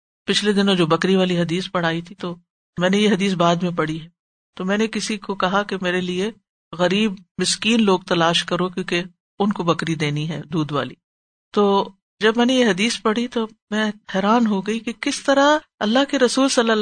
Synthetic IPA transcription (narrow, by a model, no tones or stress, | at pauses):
pɪt͡ʃʰled̪ɪnõd͡ʒoːbɐkɾiʋaːliɦɐd̪iːspɐɽ̤aːit̪ʰit̪o | mɛ̃ːnejeɦɐd̪iːs̬baːd̪mẽpɐɽiɦɛ | t̪omɛ̃ːnekɪsikokɐɦakemeːɾelie | ɣɐɾiːb̚mɪskiːnloːɡ̚t̪ɐlaːʃkɐɾokjõːke | ʊnkobɐkɾid̪eːniɦɛːd̪uːd̪ʋa̰ːliː | t̪oː | d͡ʒɐbmɛ̃ːnejeɦɐd̪iːspɐɽ̤it̪o | mɛ̃ːhɛːɾaːnɦoɡɐikekɪst̪ɐɾaɐlːaɦkeɾɐsuːlsɐlːa